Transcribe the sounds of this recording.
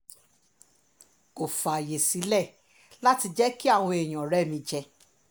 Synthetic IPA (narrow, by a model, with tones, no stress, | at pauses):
ko˨fa˨je˨si˨˦lɛ˦˨ | la˦ti˧d͡ʒɛ˦ki˦a˦˨w̃ɔ̃˧e˨j̃ɔ̃˨ɾɛ˦˨mĩ˧d͡ʒɛ˧